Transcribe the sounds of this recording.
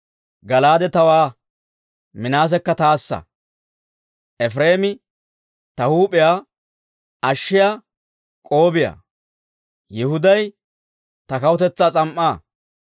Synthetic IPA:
ɡɐlaːd̪ɛt̪ɐwaː | mɪnaːs̬ɛkːɐt̪aːsːɐ̰ | ʔɛfɾe̞ːmɪ | t̪ɐhuːpɪjaː | ɐʃːɪjaː | kʼo̞ːbɪja̰ | jɪhʊd̪ɐj | t̪ɐkɐwʊt̪ɛt͡sːaːt͡sʼɐmʔːaː

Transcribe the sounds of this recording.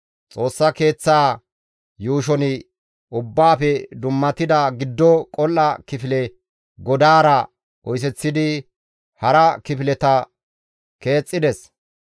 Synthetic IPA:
t͡sʼo̞ːsːɐke̞ːt͡sːaː | juːʃ̬ɔnɪ | ʔʊbːaːfɛd̪ʊmːɐt̪ɪd̪ɐɡɪd̪ːɔkʼɔlːɐkɪfɪlɛ | ɡɔd̪aːɾɐ | ʔɔjs̬ɛt͡sːɪd̪ɪ | hɐɾɐkɪfɪlɛt̪ɐ | ke̞ːt͡sʼːɪd̪ɛs

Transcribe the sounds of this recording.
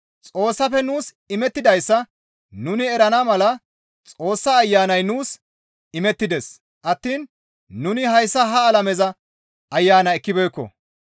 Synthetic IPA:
t͡sʼo̞ːsːɐfɛnuːs | ɪmɛt̪ːɪd̪ɐjsːɐ | nʊnɪɛɾɐnamɐlɐ | t͡sʼo̞ːsːɐːjːaːnɐjnuːs | ɪmɛt̪ːɪd̪es | ʔɐt̪ːiːn | nʊnɪɦɐjsːɐɦɐːlɐmɛzɐ | ʔɐjːaːnɐɛkːɪbɛjkːɔ̰

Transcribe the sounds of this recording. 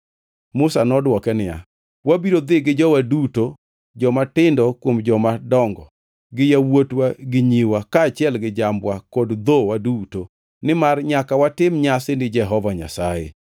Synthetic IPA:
mʊsanɔdwɔkɛnɪja̰ | wabiɾod̪ɪɡɪd͡ʒɔwaduto | d͡ʒɔmatɪndɔkwomd͡ʒɔmadɔŋɡɔ | ɡɪjawotwaɡɪɲiwakaːt͡ʃjɛlɡɪd͡ʒambwakodd̪owaduto | nɪmarɲakawatɪmɲasɪnɪd͡ʒɛɦɔvaɲa̰sajḛ

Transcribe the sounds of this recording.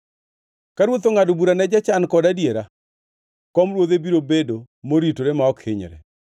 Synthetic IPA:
kaɾwot̪oŋadobuɾanɛd͡ʒat͡ʃankɔdadjeɾa | kɔmɾwod̪ebiɾobedo | moɾitoɾemaɔkʰɪɲɾɛ̰

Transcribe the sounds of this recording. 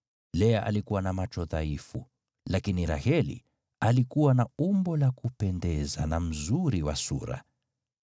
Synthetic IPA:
lɛaʔa̰likuwanamat͡ʃɔðaifu | lakiniɾa̰hɛlḭ | alikuwanaumbɔlakupɛndɛzanam̩zuɾiwa̰sṵɾa̰

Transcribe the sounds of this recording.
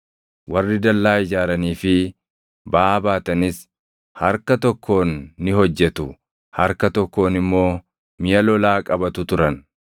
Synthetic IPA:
wɐrːɪd̪ɐlːaːɪd͡ʒaːɾɐniːfɪ | baːbaːt̪ɐnɪs | hɐɾkɐt̪ɔkːo̞ːnːɪhɔd͡ʒːɛt̪ʊ | hɐɾkɐt̪ɔkːo̞ːnɪmːo̞ː | mɪjɐlɔlaːkʼɐbɐt̪ʊt̪ʊɾɐn

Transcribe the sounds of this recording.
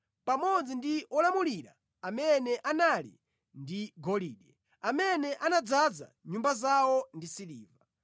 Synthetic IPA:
pamɔd͡zindiɔlamuliɾa̰ | amɛnɛʔanalḭ | ndiɡɔliːɗɛ | amɛnɛʔanad͡zad͡za̰ɲumbazawɔndisiliːva

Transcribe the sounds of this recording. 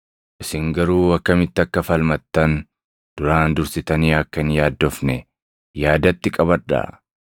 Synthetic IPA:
ʔɪsɪŋɡɐɾuːɐkːɐmɪt̪ːɐkːɐfɐlmɐt̪ːɐn | d̪̥ʊɾaːnd̪ʊɾsɪt̪ɐniːɐkːɐnjaːd̪ːɔfnɛ | jaːd̪ɐt̪ːɪkʼɐβɐᶑa̰

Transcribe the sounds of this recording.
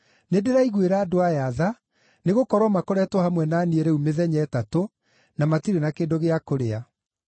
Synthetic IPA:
nedeɾaiɣweɾaːdoajaða | neɣokɔɾwɔmakoɾɛtwɔhamwɛnaːnieɾɛumeðɛɲɛtato | namatiɾenakeːndoɣeakoɾea

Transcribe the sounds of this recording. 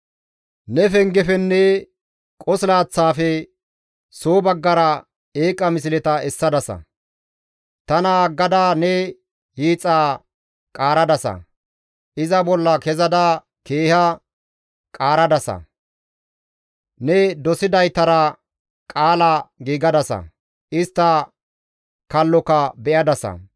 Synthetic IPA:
nɛfɛŋɡɛfɛnːɛ | kʼɔslaːt͡sːaːfɛ | soːbɐɡːɐɾɐ | eːkʼːɐmɪs̬ɪlɛt̪ɐɛsːɐd̪ɐsɐ̰ | t̪ɐnɐɡːɐd̪aːnɛ | hiːt͡sʼːaː | kʼaːɾɐd̪ɐsɐ̰ | ʔɪzɐbɔlːɐkɛzɐd̪aː | ke̞ːhɐ | kʼaːɾɐd̪ɐsɐ̰ | nɛd̪ɔsɪd̪ɐjt̪ɐɾɐ | kʼaːlaɡiːɡɐd̪ɐsɐ̰ | ʔɪst̪ːɐ | kɐlːɔkɐbɛʔɐd̪ɐsɐ̰

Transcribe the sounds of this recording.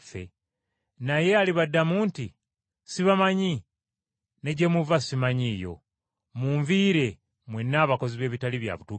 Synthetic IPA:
fḛ | naje̞aliβadːamuːnti | siβamaɲi | ne̞ɟemuvasimaɲiːjo̞̰ | muːɱviːɾe̞ | mwenːaːβako̞ziβe̞ːβitaliβja̰βutu

